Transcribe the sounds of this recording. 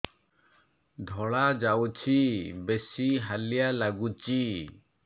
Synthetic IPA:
d̪ʱɔɭad͡ʒawt͡ʃʰibesiɦalijalaɡut͡ʃi

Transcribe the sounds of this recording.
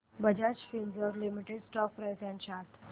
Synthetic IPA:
bəd͡ʑat͡ɕfind͡zɔɾlimiʈeɖsʈɔk̚pɾajsãɲt͡ɕat̪ʰ

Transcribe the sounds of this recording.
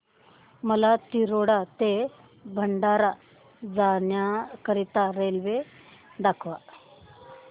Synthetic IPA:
məlat̪iɾoɽat̪e | bʱəɳɖaɾa | d͡zanjakəɾit̪aɾelʋe | d̪akʰʋa

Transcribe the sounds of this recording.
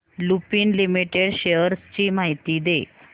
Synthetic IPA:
lupiːnlimiʈeɽɕeəɾst͡ɕiːmaɦit̪iːd̪e

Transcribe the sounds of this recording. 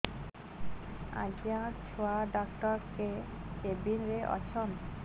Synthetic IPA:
a̰d͡ʑijãt͡ʃʰoaɖɔkʈɔɾkekebinɾeʔɔ̰t͡ɕʰɔn

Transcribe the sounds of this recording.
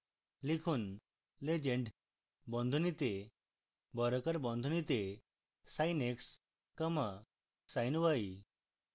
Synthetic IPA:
likʰuːn | led͡ʑeɳɖ | bɔ̃nd̪ʱunit̪e | bɔɾəkəɾbɔ̃nd̪ʱunit̪e | sajneks | kəma | sajnʋai

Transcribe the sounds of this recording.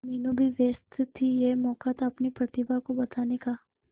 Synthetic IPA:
miːnubʱiʋeːst̪ʰt̪ʰːijemɔːkat̪ʰaɐpnipɾɐt̪ɪbakobɐt̪aːnekaː

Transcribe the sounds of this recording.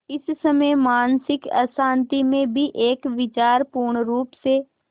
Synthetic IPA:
ɪssɐməjmaːnsɪkɐ̰sãːnt̪imẽbʱiʔeːkʋɪt͡ʃaːɾpuːɾɳɾuːpse

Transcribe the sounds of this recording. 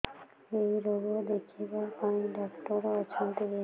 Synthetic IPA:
ejɾoɡod̪ekʰibakaɖɔkʈɔɾɔt͡ʃʰunt̪ebe

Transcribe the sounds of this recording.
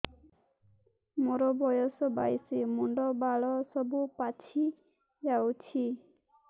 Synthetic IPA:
moɾɔbɔjɔsɔba̰jsimuɳɖɔbaɭɔsɔbupat͡ʃʰi | d͡ʒawt͡ʃʰi

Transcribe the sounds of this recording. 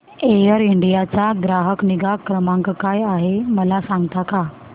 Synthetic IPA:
ejəɾiɳɖijat͡saɡɾaɦəkniɡakɾəmãŋkkajaɦeməlasaŋɡt̪aka

